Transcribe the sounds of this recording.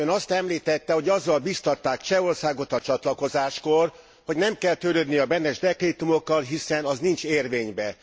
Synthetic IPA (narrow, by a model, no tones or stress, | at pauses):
ønɒst̪ɛmliːt̪ɛt̪ːɛho̞ɟɒzːɒlbist̪ɒt̪ːaːkt͡ʃɛorsaːɡo̞t̪ɒt͡ʃɒt̪lɒko̞zaːʃkor | ho̞ɟnɛmkɛlt̪ølød̪niɒbɛnːɛʒd̪ɛkreːt̪umo̞kːɒlɦisɛnɒznint͡ʃeːrveːɲbɛ